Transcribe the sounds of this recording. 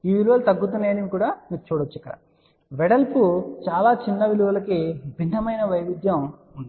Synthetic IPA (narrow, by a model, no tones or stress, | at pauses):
iːʋiluʋɐlut̪ɐɡːut̪̬unːeɐnemikuːɽaːmiːɡut͡ʃuːɽɐt͡ʃːɛkːɐɾa̰ | ʋɛɽɐlput͡ʃaːlaːt͡ʃinːɐʋiluʋɐlɐkibʱint̪ɐmɐjnɐʋɐjʋid̪jɐmund̪ii